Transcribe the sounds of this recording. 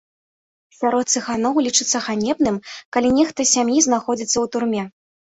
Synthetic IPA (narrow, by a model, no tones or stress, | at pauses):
sʲaɾɔt̪sɨxanɔwlʲit͡ʂɨt̪sːɐɣanʲɛbnɨmkalʲinʲɛxt̪ɐsʲamjiznaxɔd͡zʲit̪sːɐwt̪urmʲɛ